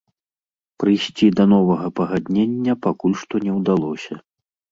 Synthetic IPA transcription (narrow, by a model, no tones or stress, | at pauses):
pɾɨjsʲt͡sʲid̪ɐnɔvɐɣɐpɐɣad̪ʲnʲenʲːɐpakulʲʂt̪ɔnʲɛwd̪alˠɔsʲɐ